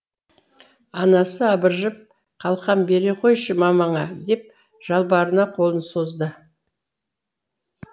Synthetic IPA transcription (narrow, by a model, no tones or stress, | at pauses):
ɑnɑsəɑbəɾʒəp̚ | qʰɑlˠqɑnbe̞ɾe̞qʰo̞jʃəmɑmɑɴɑd̪e̞p̚ | ʒ̥ɑlˠbɑɾənɑqʰo̞lˠənso̞zd̪ə